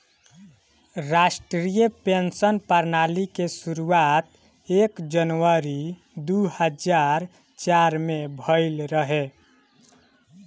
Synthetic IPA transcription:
ɾasʈɾɾijəpensənpəɾnalikesuɾuat̪ | ekd͡ʒənʋəɾi | d̪uhəd͡ʒaɾ | t͡ʃaɾmebʱəɪlɾəɦe

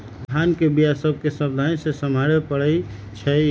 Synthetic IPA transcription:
d̪ʱankebijasəbʱkesəbd̪ʱaĩsesəmaɽepəɽəj | t͡ʃʰə

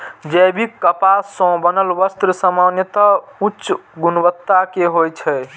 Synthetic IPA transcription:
d͡ʒəbʱikːəpasə̃bənəlʋəst̪ɾəsəmanjət̪əutːʃɡunʋət̪ːakeɦojt͡ʃʰɛ

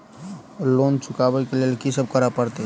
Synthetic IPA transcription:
lont͡ʃʰʊkabɛkelelkisəb̚kəɾapəɾt̪e

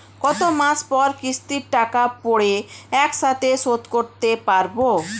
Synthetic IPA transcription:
kɔt̪omaspɔɾkɾist̪iɾʈakapoɽeɛkʃat̪ʰeʃot̪koɾt̪epaɾbo

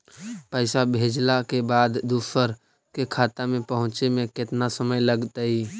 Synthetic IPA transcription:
pəɪsabʱeːd͡ʒlakebaːd̪ːuːsəɾ | kekʰaːt̪amẽpəɦʊ̃t͡ʃemẽkɪt̪nasəməjləɡt̪aiː

